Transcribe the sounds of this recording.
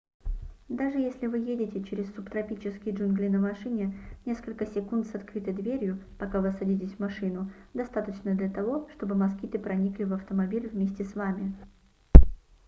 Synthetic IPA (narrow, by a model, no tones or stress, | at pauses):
d̪aʐɨjesʲlʲɪvɨjedʲɪtʲɪt͡ɕɪɾʲɪsːupt̪ɾɐpʲit͡ɕɪskʲɪjʐɨnɡlʲɪnəmɐʂɨnʲɪnʲe̞skəlʲkəsʲɪkunt̪sɐt̪kɾʲit̪ɨd̪vʲeɾʲjʊpɐkavɨɐsɐdʲitʲɪsʲvmɐʂɨnʊd̪ɐst̪at̪ət͡ɕnəd̪lʲɐt̪ɐvo̞ʂt̪o̞bɨmɐskʲit̪ɨpɾɐnʲiklʲɪvɐft̪əmɐbʲilʲvmʲesʲtʲɪsvamʲɪ